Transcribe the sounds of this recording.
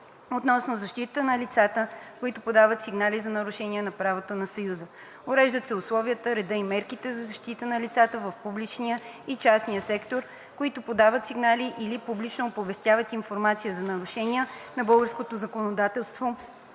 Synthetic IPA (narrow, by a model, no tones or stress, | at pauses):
ot̪nɔsnozɐʃt̪it̪ət̪ənɐlit̪sat̪əkoit̪ʊpod̪avət̪siɡnalizɐnɐɾʊʃɛniɛnɐpɾavot̪onɐsojuzə | oɾɛʒd̪ət̪sɛʊslˠɔviət̪əɾɛd̪əimɛɾkit̪ɛzɐzɐʃt̪it̪ənɐlit̪sat̪əvəfpublit͡ʃnijəit͡ʃasniəsɛkt̪oɾ | koit̪ʊpod̪avət̪siɡnaliʔilipublit͡ʃnoːpovɛst̪javət̪infoɾmat̪sijəzɐnɐɾʊʃɛniənɐbɤlˠɡəɾskot̪ozɐkonod̪at̪ɛlˠst̪vo